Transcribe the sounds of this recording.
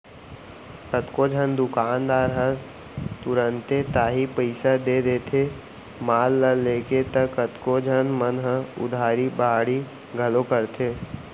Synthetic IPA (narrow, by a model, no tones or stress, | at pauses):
kət̪kod͡ʒʱənd̪ʊkaːnd̪aːɾɦə̃ | t̪ʊɾənt̪et̪aːɦipəɪsad̪ed̪eːt̪ʰe | maːlːəlːeːket̪əkːət̪kod͡ʒʱənmənɦə̃ʊ̰d̪ʱaːɾibaːɽi | ɡʱəlokəɾt̪ʰeː